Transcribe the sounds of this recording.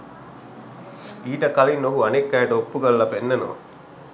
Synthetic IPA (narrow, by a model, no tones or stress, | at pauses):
iːʈɐkɐlinːoɦuɐnekːaːɖopːuɡɐlːɐpenːɐnoʋɐ̰